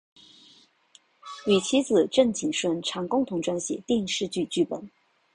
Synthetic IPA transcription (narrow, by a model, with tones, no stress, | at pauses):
ly˨˩t͡ɕʰi˥t͡sɹ̩˨˩ʈ͡ʂə˥˩ŋt͡ɕʰi˨˩ŋʂwə˥nʈ͡ʂʰɑ˧˥ŋkʊ˥ŋt̪ʰʊ˧˥ŋʈ͡ʂwa˥nɕjɛ̰˨˩˦t̪i˥˧ŋʂɻ̩˥˧t͡ɕy˥˧t͡ɕy˥˩pə˨˩n